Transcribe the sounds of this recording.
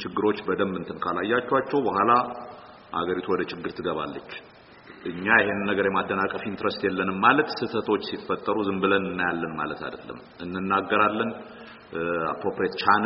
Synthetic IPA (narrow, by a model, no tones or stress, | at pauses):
t͡ʃɪɡːɨɾo̞t͡ʃːbəd̪əmːɨnt̪ʰɨnkʰalajːat͡ʃːɛwat͡ʃːɛwbəhʷala | ha̰ɡəɾit̪ʰuwɔd̪ət͡ʃʰɪɡːɨɾt̪ʰɨɡəβa̰lːət͡ʃː | ʔɨɲːajɪhenːɨnːəɡəɾjɛmad̪ːənakʼəfint̪ɾəst̪jɛlːənɨmːalət̪sɨt̪ʰət̪ʰo̞t͡ʃːsifət̪ʼːəɾuzɨmbɨlənɨnːajalːənma̰lət̪ʰa̰d̪əlːə̰m | ɨnːɨnːaɡːəɾalːən | a̰pɾo̞pɾiet̪t͡ʃʰan